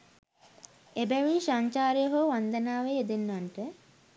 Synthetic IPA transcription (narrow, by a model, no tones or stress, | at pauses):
ebæʋiʃaɲt͡ʃaːɾjəɦoʋand̪ənaːʋeed̪enːaɳʈə